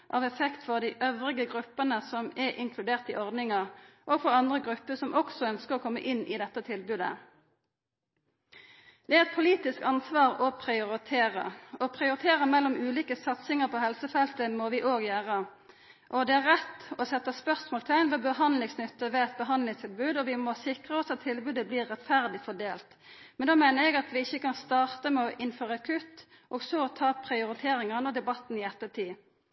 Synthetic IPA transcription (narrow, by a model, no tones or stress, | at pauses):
ʔɑ̰ːʋɛfɛkt̪fɔʁd̪iɪʔœʋʁɪɡəɡʁʉpːənəsɔmɛʔɪŋkʰlʉd̪eːʁt̪ɪʔɔʁd̪nɪŋəʁʔoːɡfɔʁɑnd̪ʁəɡʁʉpːəsɔmʔɔksɔœnskəʁɔːkʰɔmːə̰ʔɪnːɪ̰ːd̪ɛt̪ːət̪ʰɪlbʉːd̪ə̰ | d̪̥ɛæɛt̪̚pʰʊliːt̪ɪskɑnsʋɑːʁɔpʰʁɪʊʁɪt̪ʰeːʁə̰ɔpʰʁɪʊɾɪt̪ʰeːʁəmɛlːɔmʉːliːkəsɑt̪sɪŋəʁpʰɔːhɛlsəfɛlt̪əmɔʋɪʔoːɡjøːʁə | ʔɔd̪ɛæɾːɛt̪ːɔsɛt̪ːəspœʁsmɔːlt̪ʰæɪnʋɛbəɦɑnd̪lɪŋsnʏt̪ːəʋɛɛt̪̚bəɦɑnlɪŋst̪ʰɪlbʉːd̪ɔʋɪmɔsɪkʁəɔsɑt̪ʰːɪlbʉːd̪əbliːʁːɛt̪fæʁd̪ɪfɔɖ̪eːlt̪ | mɛnd̪ɑːmæɪnəɾɛɡɑt̪ʋɪɪçəkɑnst̪ɑːʁt̪əmɛɔʔɪnføːʁəɑkʰʉt̪ | ʔɔːɡsɔt̪ʰɑːpʰʁɪʊɾɪt̪ʰeːɾɪŋəʁnɔd̪ɛbɑt̪ːn̩ɪɛt̪ːət̪ʰiː